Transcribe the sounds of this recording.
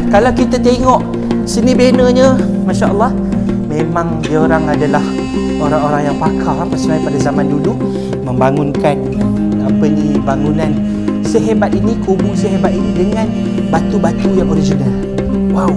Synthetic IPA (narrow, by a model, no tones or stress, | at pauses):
kalawkit̪at̪eŋɔʔ | sənibenəɲə | maʃaʔəlˠːɑh | mẽmãŋdioɾaŋadalah | oɾaŋoɾaŋjaŋpakʰalampəsonajpadazamandulu | məmbaŋuŋkan | apədibaŋunan | səɦebat̪̚inikubusəɦebat̪̚inidəŋãn | bat̪ubat̪ujaŋoɾid͡ʒənal | waw